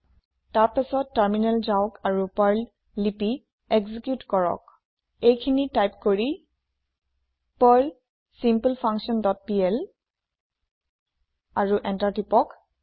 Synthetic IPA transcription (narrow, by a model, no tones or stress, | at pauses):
taɹpɛsɔtːaɹminɛlzaʊkaɹupaɹlː | ipi | ɛɡzikjutkɔɹɔ̰k | ejkʰinitajpkoɹi | paɹl | simpəlpʰaŋksɔndɔt̚piɛl | aɹuʔɛntaɹtipɔk